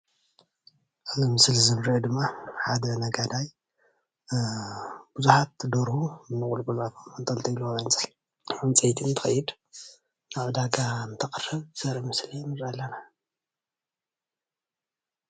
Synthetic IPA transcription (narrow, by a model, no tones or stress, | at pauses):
ʔazɨmɨslzɨmɾed̪ɨmːaħad̪ɐnɐɡad̪aj | b̥uzuħat̪̚d̪oɾhuɨnːɨχʼulkʼulat̪ʰonnt̪ʼɐlt̪ʰɐluaβajnt͡sʼɐ | ɨnt͡sʼɐjt̪ʰint̪ʰɨ̥xɐjːɪd̪ | naβd̪aɡant̪ʰɐkʼrːɨβsɐɾimɨslimɨɾalːɐna